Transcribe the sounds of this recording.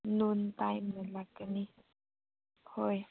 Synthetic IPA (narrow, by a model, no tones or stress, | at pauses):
nũnt̪ãjmẽlakanĩ | hoe